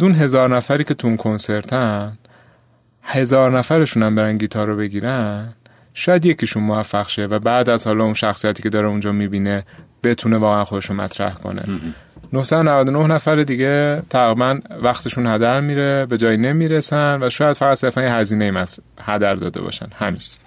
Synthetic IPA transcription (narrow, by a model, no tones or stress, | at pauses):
zunɦe̞zɒːɾnæfæɾiːcʲʰe̞t̪ʰuunkʰo̞nse̞ɾt̪ʰæn | he̞zɒːɾnæfæɾe̞ʃunæmbe̞ɾænɟiːt̪ʰɒːɾobe̞ɟiːɾæn | ʃɒːjæd̪je̞cʰiʃunmovæfːæɣʃe̞væbæːd̪æzhɒːlɒːunʃæxsijæt̪ʰiːcʰe̞d̪ɒːɾeund͡ʒɒːmiːbiːne̞b̥e̞t̪ʰune̞vɒːɣeænxo̞d̪e̞ʃunmæ̰t̪ʰɾæ̰hkʰo̰nḛ | nohsæd̪onævæd̪onohnæfæɾed̪iɟe̞t̪ʰæɣɾibænvæxt̪ʰe̞ʃunhæd̪æɾmiːɾebe̞d͡ʒɒːjine̞miːɾesænvæʃɒːjæd̪̥fæɣæt̪se̞ɾfænjehæziːneimæt | hæd̪æɾd̪ɒ̰ːd̪ḛbɒ̰ːʃæ̰nhæmi̥